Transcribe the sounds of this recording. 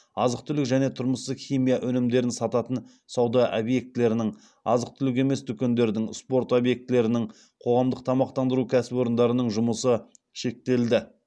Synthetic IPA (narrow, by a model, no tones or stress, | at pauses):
ɑzəq̚t̪ʰʏlɪkʒæne̞t̪ʰʊɾməsəχʲijmijaʔɵnɪmd̪e̞ɾɪnsɑt̪ɑt̪ən | sɑwd̪ɑʔobje̞k̚t̪ɪle̞ɾɪnɪŋ | ɑ̰zəq̚t̪ʰʏlɪk̬e̞me̞sd̪ʰʏkʲe̞nd̪e̞ɾd̪ɪŋspo̞ɾt̪obje̞k̚t̪ɪle̞ɾɪnɪŋ | qʰo̞ʁɑmd̪əq̚t̪ʰɑmɑqt̪ɑnd̪əɾukʲʰæsɪbo̞ɾənd̪ɑɾənəɴʒʊməsə | ʃe̞k̚t̪e̞ld̪ɪ